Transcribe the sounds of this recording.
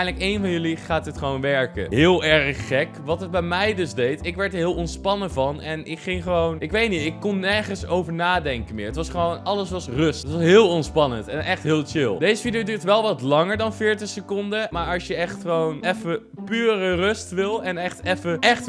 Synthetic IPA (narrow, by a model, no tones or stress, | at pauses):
jnləkejnvɑnjɵliχaːtətχəʋownʋɛɹkə̰ɦɪːlˠɛɹχːɛkʋɑtɦəd̚bɛjmɛjdɵzdejtɪkʋɛɹtəɹɦɪːlˠɔnspɑnəvɑnɛnɪkχɪŋχəʋownɪkʋejtnitɪkːɔnːɛɹχənsowvəɹnaːdɛŋkəmɪːɹətʋɑsχəʋownʔɑləsʋɑsrɵstətʋɑsɦɪːlˠɔnspɑnəntɛnʔɛχtɦɪːlˠt͡ʃɪlˠdejzəfidiowdyːɹtʋɛlˠʋɑtlɑŋəɹdɑnfɪːɹtəχsəkɔndəmaːɹɑʃjəɛχtχəʋownɛfə | pyːrərɵstʋɪlˠɛnɛχtɛfəʔɛχt